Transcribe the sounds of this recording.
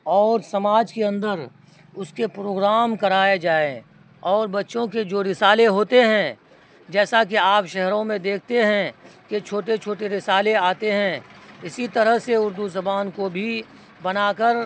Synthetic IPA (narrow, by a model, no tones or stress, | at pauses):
ɔːɾsɐmaːd͡ʒkeɐ̃nd̪əɾ | ʊskepɾoːɡɾaːmkɐɾaːed͡ʒaːẽ | ɔːɾbɐtːʃõked͡ʒoːɾɪsaːleɦoːt̪eɦɛ̃ | d͡ʒɛːsak̬iaːpʃɛɦɾõmẽd̪eːkʰt̪eɦɛ̃ket͡ʃʰoːʈet͡ʃʰoːʈeɾɪsaːleaːt̪eɦɛ̃ɪsit̪ɐɾəɦseʊɾd̪uzɐbaːnkobʱi | bɐnaːkəɾ